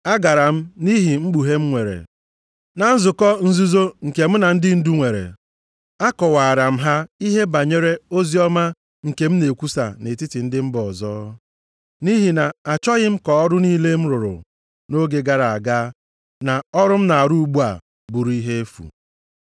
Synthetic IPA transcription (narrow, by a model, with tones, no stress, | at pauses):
a˦ɡa˨ɾa˨m̩˦ni˦ɦi˨ŋ͡m̩˦ɡ͡bu˨ɦe˦m̩˦ŋʷe˨ɾḛ˨ | na˨n̩˦zʊ˨kɔ˦n̩˦zu˦zo˦ŋ̩˨ke˨m̩˦na˨n̩˦dɪ˦n̩˦du˦ŋʷe˨ɾḛ˨ | a˦kɔ˨wa˨a˨ɾa˨m̩˦ɦa˦i˦ɦe˦ba˨ɲe˦ɾe˦o˦zi˦ɔ˦ma˦ | ŋ̩˨ke˨m̩˦ne˨kʷu˦sa̰˨ne˨ti˦tɪ˨n̩˦dɪ˦m̩˦bɔ˨zɔː˦ | ni˦ɦi˨na˨a˨t͡ʃɔ˦ɣɪ˦m̩˦kɔ˨ɔ˦ɾʊ˦niː˦le˦m̩˦ɾʊ˨ɾʊ̰˨ | no˦ɡe˨ɡa˦ɾa˨a˨ɡaː˦ | na˨ɔ˦ɾʊ˦m̩˦na˨a˨ɾu˦ɡ͡bu˦a̰˨ | bʊ˨ɾu˨˦i˦ɦe˦e˦fṵ˨